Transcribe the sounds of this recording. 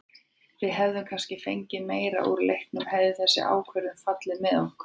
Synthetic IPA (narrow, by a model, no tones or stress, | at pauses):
vɪðɦɛvðʏmkʰanscɪfejɲcɪmeːjɾa̰ʔṵɾlḛjhk̪nʏmhɛðɪθɛsːɪ̰ʔa̰ːwkʰvœɾʏmfat̪lɪmɛðo̥k